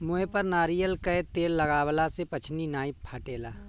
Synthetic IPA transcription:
mʊepəɾnaːɾijəlkəet̪eːlːɐɡaːwlasepɐt͡ʃʰninaːippʰaːʈeːlaː

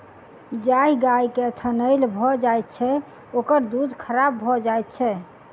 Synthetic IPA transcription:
d͡ʒaiɡajket̪ʰənəjlbʱɔd͡ʒajt̪̚t͡ʃʰɛ | okəɾd̪ud̪kʰəɾabːʱɔd͡ʒajt̪̚t͡ʃʰɛ

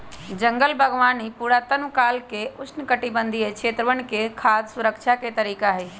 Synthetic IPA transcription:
d͡ʒə̃ŋɡəlbʱɐɡʋaːnipuːɾat̪ənʋkaːlkeʊt͡ʃʰnkəʈibə̃nd̪ʱiekʰʃʰeːt̪ɾəʋəñkekʰaːd̪sʊɾəkt͡ʃʰaket̪ɐɾiːkaɦeː

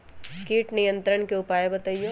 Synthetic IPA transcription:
kiːʈnijə̃nt̪ɾəɽ̃keʊpaːebɐt̪aijo

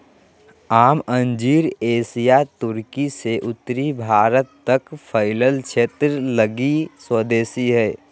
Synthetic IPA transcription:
aːmə̃ɲd͡ʒiːɾeːsijat̪ʊɾkiseʔʊt̪ːɾibʱaːɾət̪ːəkpʰəɪləlt͡ʃʰeːt̪ɾələɡiswəd̪eːsiɦɛː

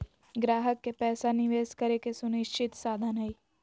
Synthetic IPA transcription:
ɡɾaːɦəkːepɛːsanɪʋeːskɐɾekesʊnɪʃt͡ʃʰɪt̪saːd̪ʱanɦəi

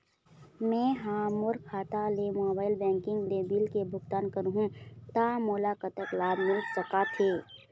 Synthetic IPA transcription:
mɛ̃ːɦaːmʊɾkʰaːt̪alemoːbaːɪlbɛ̃ːŋkɪ̃ŋɡlebilkebʱʊɡt̪aːnkəɾɦũt̪amoːlaːkət̪əklaːbmɪlsəkat̪ʰeː

